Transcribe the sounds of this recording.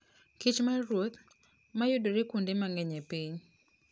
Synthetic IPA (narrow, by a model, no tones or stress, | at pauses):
kit͡ʃmaɾwot̪ | majʊdoɾekundemaŋɛɲɛpiɲ